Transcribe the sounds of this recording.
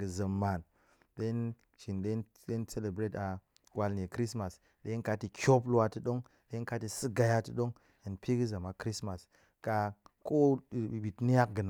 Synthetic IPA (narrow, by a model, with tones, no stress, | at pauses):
ɡɨ˨zə˨mːa˨n | de˦n | t͡ʃi˨nɗe˦n | ɗe˦nse˦le˨bɾe˦ta˨ | wa˧lne˨kɾi˦sma˨s | ɗe˦nka˦ti˨˧kʲo˦p̬la˧tɨ˦ɗo˦ŋ | ɗe˦ka˦ti˨sɨ˦ɡa˨˧ja˦tɨ˦ɗo˦ŋ | a˨npi˦ɡɨ˦za˨ma˨kɾi˦sma˨s | ka˧ko˦˨ɓi˨tni˦a˦k̚ɡɨ˨n˨